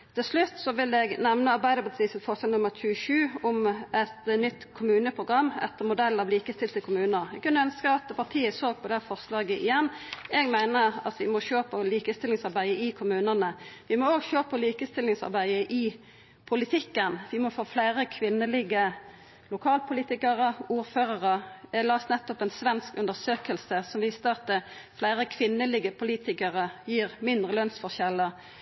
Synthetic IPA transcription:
t̪ʰɪlslʉt̪ːsɔʋɪlɛɡnɛʋnəɑɾbæɪd̪əpɑt̪ʰiːsət̪fɔsɛlnʊmːəʁçʉəʃʉːɔmɛt̪nʏt̪ːkʰʊmʉːnəpʰʁʊɡʁɑmːɛ̰t̪ːəmʊd̪ɛlːɑʋliːkəst̪ɪlt̪əkʰʊmʉːnəʁɛɡkʉnːəœnskəɑt̪pʰɑʁt̪ʰiːəsoːɡ̚pʰɔd̪ɛhæːfɔʁslɑːɡəʔɪjɛnːɛːɡmæɪnəʁɑt̪ʋɪmɔɕøːpʰəliːkəst̪ɪlːɪŋsɑʁbæɪəɪkʰʊmʉːnənəʋɪmɔoːɡʃøːpʰɔliːkəst̪ɪlːɪŋsɑ̰ʁbæɪəʔɪ | pʰʊlɪt̪ʰɪkːənʋɪmɔfoːflæɪʁəkʰʋɪnːəlɪɡə | lʊkʰɑːlpʰʊliːt̪ɪkəʁəuːɾføːʁəʁəɛlɑːsnɛt̪ːɔpɛnsʋɛnskʉnd̪əʁsøːkəlsəsɔmʋiːst̪əɑt̪̚d̪ɛ | flæɪɾəkʰʋɪnːəlɪɡəpʰʊliːt̪ɪkəʁəjiːʁmɪnd̪ʁəlœnsfɔʁʃɛlːə

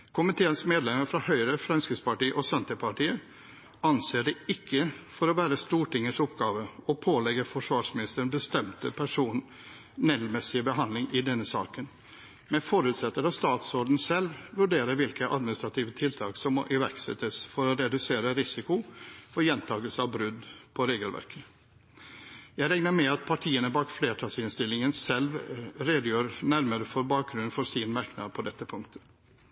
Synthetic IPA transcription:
kʰʊmɪt̪ʰeːənsmeːd̪lɛməɾfɾɑhœʏɾəfɾɑnskəspɑʈiːʔɔsɛnt̪əpʰɑʈiːə | ɑnseːɖɛɪkʰːəfɔɾɔʋæːɾəst̪uːʈɪŋːəʂɔpɡɑːʋəɔpʰoːlɛɡəfɔʂʋɑːʂmɪnɪst̪əbəst̪ɛmt̪əpʰæʂuːn | nɛlmɛsɪbəɦɑnd̪lɪŋɪd̪ɛnːəsɑ̰ːkən | mɛfɔɾʉːt̪sɛt̪ːəɾɑst̪ɑːt̪sɔɾd̪n̩sɛlʋʋʉɖeːɾəɾʋɪlkəʔɑd̪mɪnɪst̪ɾɑt̪ʰiːʋət̪ʰɪlt̪ʰɑːksɔmːɔ̰ʔɪʋæɾksɛ̰t̪ːəsfɔɾɔɾɛd̪ʉseːɾəɾɪsɪkʊɔjɛnt̪ʰɑːɡəlsəɑʋbɾʉd̪pʰɔɾeːɡəlʋæ̰ɾkʰə | jæɪɾɛŋnəɾmɛɑt̪̚pʰɑʈʰiːənəbɑːkfleːʈʰɑːsɪnst̪ɪlːɪŋənsɛlʋɾeːd̪əjøːɾnæɾməɾəfɔɾbɑːk̚ɡɾʉnfɔsɪnmɑɾknɑ̰d̪̚pʰɔd̪ɛt̪ːəpʰʊŋk̚t̪ʰə̥

